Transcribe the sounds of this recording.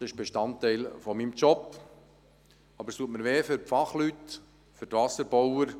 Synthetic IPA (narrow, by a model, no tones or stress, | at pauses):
ɪʃb̥eʃtɑntːɛɪlfɔmimt͡ʃɔp | ɑbəɾstuətməɾʋeːfʏɾpfɑχlyt | fʏɾtvɑsəɾbɔwəɾ